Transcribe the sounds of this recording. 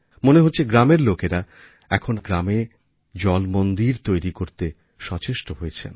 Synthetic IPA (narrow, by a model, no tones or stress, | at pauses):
moneɦotːɕʰeɡɾameɾlokeɾa | ɛ̰kʰonɡɾame | d͡ʑɔlmond̪iɾt̪ojɾikoɾt̪e | ʃɔt͡ɕeʃʈoɦojet͡ɕʰḛn